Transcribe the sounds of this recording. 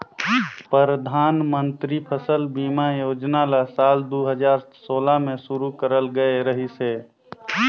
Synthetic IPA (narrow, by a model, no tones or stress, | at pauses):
pəɾəd̪ʱaːnmə̃nt̪ɾipʰəsəlbiːmajoːd͡ʒnalasaːld̪uɦəd͡ʒaːɾsoːlamẽsuɾukəɾəlɡəeɾəɦise